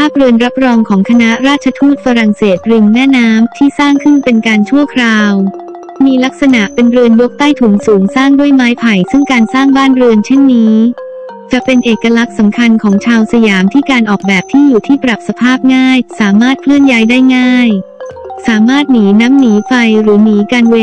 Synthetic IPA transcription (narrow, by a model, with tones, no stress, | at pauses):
pʰaː˥˩p̚ɾɯ˧ənɾa˦˥p̚ɾɔː˧ŋkʰɔː˩˦ŋkʰa˧na˦˥ɾaː˥t̪̚t͡ɕʰa˧t̪ʰuː˥˩t̪̚fa˧ɾa˨˩ŋseː˨˩t̪̚ɾi˧ŋmɛː˥˩naː˦˥mt̪ʰiː˥˩saː˥˩ŋkʰɯ˥˩npe˧nkaː˧nt͡ɕʰu˥˩əkʰɾaː˧w | miː˧la˦˥k̚sa˧na˨˩ʔpe˧nɾɯ˧ənjo˦˥k̚t̪aː˥˩jt̪ʰu˩˦ŋsuː˩˦ŋsaː˥˩ŋdu˥˩əjmaː˦˥jpʰa˨˩jsɯ˥˩ŋkaː˧nsaː˥˩ŋbaː˥˩nɾɯ˧ənt͡ɕʰe˥˩nːiː˦˥ | t͡ɕa˨˩ʔpe˧nʔeː˨˩kːa˧la˦˥k̚sa˩˦mkʰa˧nkʰɔː˩˦ŋt͡ɕʰaː˧wsa˧jaː˩˦mt̪ʰiː˥˩kaː˧nʔɔː˨˩k̚bɛː˨˩p̚t̪ʰiː˥˩juː˨˩t̪ʰiː˥˩pɾa˨˩p̚sa˧pʰaː˥˩p̚ŋaː˥˩jsaː˩˦maː˥˩t̪̚pʰlɯ˥˩ənjaː˦˥jdaː˥˩jŋaː˥˩j | saː˩˦maː˥˩t̪̚niː˩˦naː˦˥mniː˩˦fa˧jɾɯː˩˦niː˩˦kaː˧nwe˧